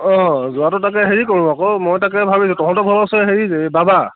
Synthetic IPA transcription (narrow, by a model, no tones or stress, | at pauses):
ɔ̃zʊatʊtakɛɦeɹikoɹubakɔmojtakɛbʱabisʊ̃tɔkʰɔ̃tɔbʱɔbɔsɔɦeɹizebaba